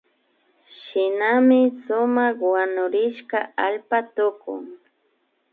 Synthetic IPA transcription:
ʃɪnamɪsʊmɑχwanʊɾɪʃkaalpat̪ʊkʊ̰ŋ

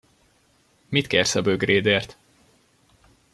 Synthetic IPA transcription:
mit̪kersɒbøɡrʔeːd̪eːrt̪

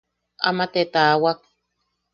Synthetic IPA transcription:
amat̪et̪awak̚

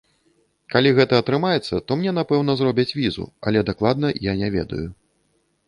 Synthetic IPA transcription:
kalʲiɣɛt̪ɐːt̪ɾɨmajɛt̪sːɐt̪ɔmnʲɛnapɛwn̪ɐzɾɔbʲɐt͡sʲvʲizṵa̰lʲɛd̪aklˠad̪̚nɐjanʲɛvʲɛ̰d̪ɐ̰ju

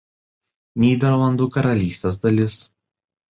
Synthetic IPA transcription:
nʲiːd̪ʲɛɾlˠɐnd̪uːkɐɾɐlʲiːsʲt̪ʲes̬d̪ɐlʲɪs

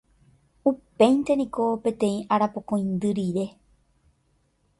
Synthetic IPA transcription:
upẽ̞jnt̪e̞nĩkopẽ̞t̪ẽ̞ĩʔaɾapokõj̃nd̪ɨɾiɾe̞

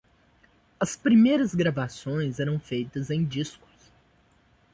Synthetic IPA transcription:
ɐspɾimejɾɐzɡɾavasõj̃zɛɾɐ̃w̃fejt̪ɐzẽj̃d͡ʒiskʊ̥s

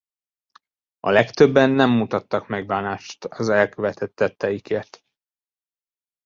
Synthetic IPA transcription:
ɒ̰lɛkt̪ø̞bːɛnːɛmːut̪ɒt̪ːɒkmɛɡ̚baːnaːʃt̪ɒzɛlkøvɛt̪ʰɛt̪ːɛt̪ːɛjikeːrt̪

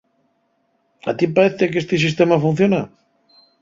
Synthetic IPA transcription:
a̰t̪ipaɾeθekest̪ɪs̬is̬t̪emafũn̟θjona̰

